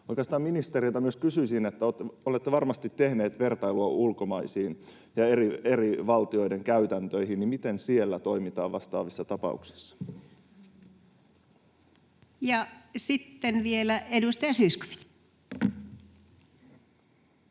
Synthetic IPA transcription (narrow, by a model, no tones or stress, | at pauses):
ojkˑeɑst̪ɑːminist̪eɾilt̪ɑmyøskysyisinet̪ːæoolet̪ːeʋɑrmɑst̪it̪ːe̞hne̞ːt̪ʋe̞rt̪ɑjluɑʔulko̞mɑisiːn | jɑerie̞ɾiʋɑlt̪io̞jde̞ŋkæyt̪ænt̪ø̞iɦinimit̪e̞nsielːæt̪o̞imit̪ɑːʋʋɑst̪ɑ̰ːʋisːɑt̪ɑpɑ̰ṵksi̥sːɑ̥ | jɑsit̪ːenʋielæedust̪ɑjɑsysko̥fi̥t̪